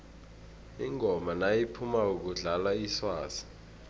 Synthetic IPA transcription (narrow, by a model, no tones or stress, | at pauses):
iŋʱɔmanajipʰumauk̬uɮalaiswaːsi̥